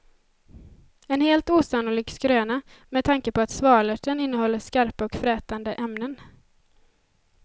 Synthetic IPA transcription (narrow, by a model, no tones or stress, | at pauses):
ɛnheːlt̪uːsanuːliːɡskɾøːna | mɛd̪̚ʰaŋkəpɔat̪svɑːɭəʈənɪnːəhɔlːəʂkaɾpaɔkfɾɛːt̪and̪əʔɛmnən